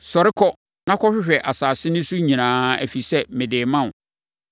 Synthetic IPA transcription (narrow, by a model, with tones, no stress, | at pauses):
sɔ˨ɾɪ˦kʰɔ˦ | nã˦kʰɔ˦ɕᶣɪ˦ɕᶣɛ˨ʔa˨saː˨sɪ˦nʊ̃˦su˦ɲĩ˨nãː˦æ̰˨fi˨sɛ˦mɪ̃˨dɪː˨mã˦ʊ̃˨